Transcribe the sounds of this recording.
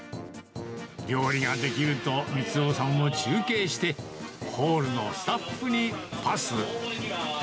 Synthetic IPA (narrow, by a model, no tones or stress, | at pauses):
ɡʲo̞ːɾʲiɡad̪e̞kʲiɾɯ̟t̪o̞mʲit͡sɨoːsãmːo̞t͡ɕɨːke̞ːɕi̥t̪e̞ho̞ːɾɯ̟no̞sɨ̥t̪aɸːɯ̟ɲ̟ipasɨɯ̰